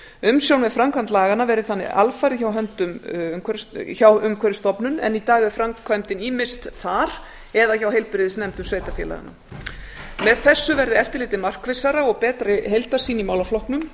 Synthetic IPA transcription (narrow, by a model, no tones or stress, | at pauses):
ʏmsjownvɛðfɾamkʰvajnt̪laːɣanavɛɾðɪθanːɪ̰a̰lfaɾɪçawɦœnt̪ʏmmkʰvɛɾsçawʏmkʰvɛɾɪst̪ɔpnʏnɛ̰nit̪aːɣɪfɾamkʰvajmt̪ɪniːmɪst̪θaɾ̥ | ɛðaçawɦejlpɪɾɪðɪsnɛmt̪ʏmsveːjt̪afjɛ̰la̰ɣa̰na̰ | mɛðθɛsːʏvɛɾðɪɛft̪ɪɾlɪːt̪ɪmar̥kvɪsaɾaɔɣpɛːt̪ɾɪɦejlt̪ḁsiːnimaːwlaflɔhpnʏm